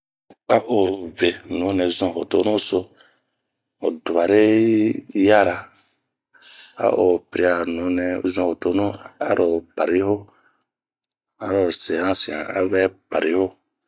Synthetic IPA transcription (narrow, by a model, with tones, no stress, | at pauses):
a˦ʔo˨ve˨nũ˨˦nɛ̃˨zɔ̃˧ɦo˨to˦nũ˦so˧ | o̰˨du˨a˨ɾe˦ | ja˦ɾa˧ | a̰˦ʔo˨pi˨ɾi˧˦a˨nũ˨˦nɛ˨zɔ̃˧ho˨to˦nũ˦a˦ɾo˨pa˨ɾi˦ho˦ | a˨˦ɾo˨se˨hã˦sĩ˨ã̰˨a̰˦vɛ˦pa˨ɾi˦ho˦